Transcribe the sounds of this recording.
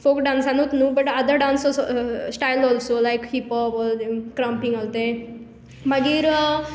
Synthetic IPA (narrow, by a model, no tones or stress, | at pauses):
fokɖãnsãnut̪nubɐʈad̪əɖãnsɔsʈajlɔːlsolajkhipɔpɔkɾãmpĩŋɡəlt̪e | maɡiɾ